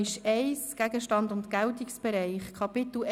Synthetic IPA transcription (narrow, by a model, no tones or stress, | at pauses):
ɪʃɛɪsɡ̥æɡəʃtɑndʊntkɛltiksb̥ɛɾɛɪχkʰɑpɪt̪l̩